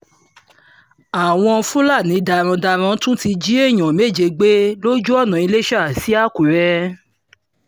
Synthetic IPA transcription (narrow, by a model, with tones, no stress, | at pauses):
a˨w̃ɔ̃˧fũ˦la˦˨nĩ˨˦da˧˨ɾ̃ã˧da˧ɾ̃ã˧˦tũ˦ti˧d͡ʒi˦e˦˨j̃ɔ̃˨me˦˨d͡ʒe˧ɡ͡be˦lo˦d͡ʒu˦ɔ˦˨nã˨i˧le˦ʃa˦˨si˨˦a˦˨ku˨ɾɛ˧